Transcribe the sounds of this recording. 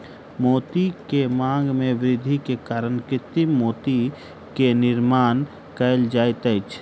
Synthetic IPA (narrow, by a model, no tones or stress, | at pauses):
moːt̪ikemãːŋɡmẽʋɾɪd̪ʱikekaːɾənkɪt̪ɪmːoːt̪i | kenɪɾmaːn | kəld͡ʒaːjt̪ət͡ʃʰ